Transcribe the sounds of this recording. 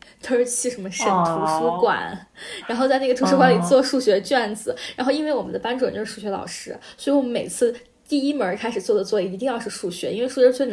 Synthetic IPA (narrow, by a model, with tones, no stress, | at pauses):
t̪ʰə˥t͡ɕʰi˥˩ʂə˧˥nmə˧ʂə˨˩nt̪ʰu˧˥ʂ̩˥kwa̰˨˩˦nɻa˧˥nxo˥˧ʊt͡sa˥˧na˥˩ɡə˩u˧˥ʂɻ̩˥xwa˧˥li˨˩t͡swɔ˥˧ʂu˥˩ɕɥɛ˧˥t͡ɕɥɛ˥˩nd͡zɹ̩˨˩˦ɻa˧˥nxo˥˧ʊi˥nwe˥˩ɪwɔ˨˩mə̰˦nd̪ə˧pa˥nʈ͡ʂwə˨˩t͡ɕjo˥˧ʊʂ̩˥ʂu˥˩ɕɥɛ˧˥lɑ̰˨˩ʊʂɻ̩˥swɔ˧˥i˧˩wɔ˨˩mə˦me˨˩ɪt͡sʰɹ̩˥˩ | t̪i˥˩i˥mə˧˥kʰa˥ɪʂɻ̩˨˩t͡swɔ˥˩d̪ə˩t͡swɔ˥˩i˧˥˩i˧˥t̪i˥˧ŋjɑ˥˧ʊʂɻ̩˥˧ʂu˥˩ɕɥɛ˧˥i˥nwɪʂu˥˩ɕɛ˧˥˩ɕʰɥɛ˥˧